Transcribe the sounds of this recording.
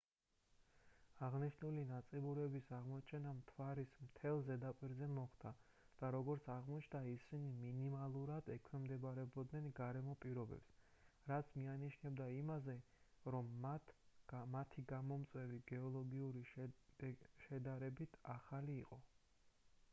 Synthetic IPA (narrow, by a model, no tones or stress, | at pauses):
aʁniʃnulinat̪sʼibuɾɛbisaʁmɔt͡ʃʰɛnamt̪ʰwaɾismt̪ʰɛlˠzɛd̪apʼiɾzɛmɔχd̪a | d̪̥aɾɔɡɔɾt̪sʰaʁmɔt͡ʃʰd̪aisiniminimalˠuɾad̪̥ɛkʰwɛmd̪ɛbaɾɛbɔd̪nɛnɡaɾɛmɔpʼiɾɔbɛ̰ps | ɾat̪sʰmianiʃnɛbd̪aimazɛ | ɾɔm | at̪ʰiɡamɔmt̪sʼwɛviɡɛɔlˠɔɡiuɾi | ʃɛd̪aɾɛbit̪ʰaχaliːqʼɔ